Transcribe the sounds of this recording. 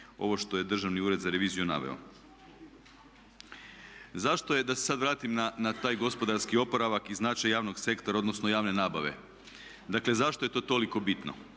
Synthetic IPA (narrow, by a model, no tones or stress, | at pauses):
o̞̰ʋo̞ʃt̪o̞je̞d̪r̩ʒaʋniuːɾe̞d̪zaɾe̞ʋiːzijuna̰ʋḛo̰ | zaʃt̪o̞je̞d̪ase̞sad̪ʋɾaːt̪imnanat̪aːjɡo̞spo̞d̪aɾskio̞poɾaʋakiznat͡ʃajjaːʋno̞ɡse̞kt̪oɾaod̪no̞snojaːʋne̞naːbaʋe̞̰ | d̪akle̞zaʃt̪o̞je̞t̪o̞ːt̪o̞liko̞bit̪no̰